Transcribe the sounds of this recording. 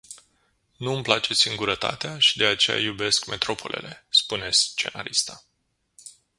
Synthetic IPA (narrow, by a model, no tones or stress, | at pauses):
nuɨmplat͡ʃe̞siŋɡuɾət̪a̰t̪eaʃid̪e̞at͡ʃe̞ja̰jube̞skme̞t̪ɾo̞pʰo̞̰lʔe̞̰le̞̰spune̞st͡ʃe̞̰na̰ɾist̪a